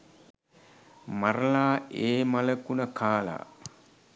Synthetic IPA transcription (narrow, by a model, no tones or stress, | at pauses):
maɾlaːeːmaləkunəkʰaːla̰ː